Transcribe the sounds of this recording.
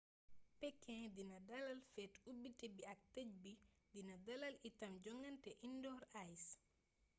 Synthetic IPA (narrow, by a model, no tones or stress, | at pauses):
pɛkːɛ̃dinɐdɐlɐlfɛtubitɛbiɐk̚tɛc̚bidinɐdɐlɐlitɐmd͡ʒɔŋɐntɛʔindɔːɾajs